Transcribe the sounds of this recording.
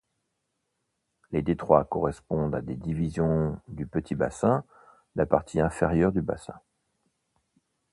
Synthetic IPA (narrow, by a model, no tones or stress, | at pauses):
led̪et̪χwakɔʁɛspɔ̃d̪ad̪ed̪ivizjɔ̃d̪ypət̪ʰiba̰sɛ̃ | lapaʁt̪ʰiɛ̃feʁjœʁd̪yba̰sɛ̰̃